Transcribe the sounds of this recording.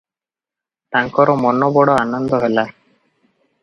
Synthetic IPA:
t̪aŋkɔɾɔmɔnɔbɔɽɔanɔnd̪ɔɦela

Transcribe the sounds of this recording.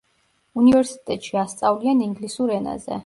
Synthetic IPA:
univɛɾsi̥t̪ʼɛt̪ʼʃiast̪sʼavlianiŋɡlisuɾɛna̰zɛ̰

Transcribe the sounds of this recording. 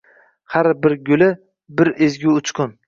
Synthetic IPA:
haɾbɪɾɡʲʊlɪ | bɪɾezɡʲʊʊt͡ʃkʰʊn

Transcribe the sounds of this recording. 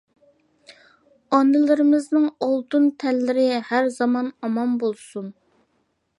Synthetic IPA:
ɑnɪlɪɾɪmɪznɨŋolˠt̪unt̪ʰɛlːɪɾɪhæɾzɑmɑnɑmɑmbolˠsun

